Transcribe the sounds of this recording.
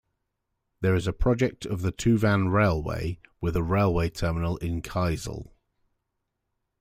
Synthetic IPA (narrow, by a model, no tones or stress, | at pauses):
ðəɹɪzəpʰɹ̥ɒd͡ʒɛk̚tʰəvðətʰʉːvãnɹeɪlˠwḛɪwɪðəɹeɪlˠweɪtʰɜːmɪnəlɪ̃nkʰaɪzə̰lˠ